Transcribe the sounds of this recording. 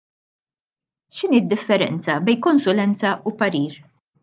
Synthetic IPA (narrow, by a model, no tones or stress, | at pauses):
ʃɪniːd̪ːɪfːɛɾɛ̰nt͡sɐbɛjnkɔnsʊlɛnt͡sɐʔʊpɐɾiːɾ